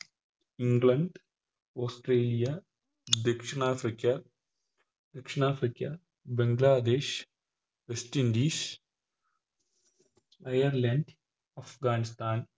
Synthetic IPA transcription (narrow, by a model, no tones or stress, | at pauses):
iŋɡlɐɳɖ | oːsʈɾeːlija | d̪ekʂɐɳaːfɾikja | d̪̥ɐkʂɐɳaːfɾikja | beŋɡlaːd̪eːʃ | ʋesʈind̪iːʃ | ɐjɐɾlɐɳɖ | ɐfɡaːnist̪aːn